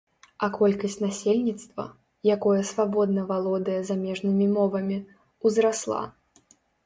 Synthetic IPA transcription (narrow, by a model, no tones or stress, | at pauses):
ɐkɔlʲkɐsʲtʲnasʲelʲnʲit̪st̪vɐ̰ | jakɔjɐsvabɔd̪̚nɐvalˠɔd̪ɐjɐzamʲɛʐnɨmʲimɔvɐmʲi | wzɾaslˠa̰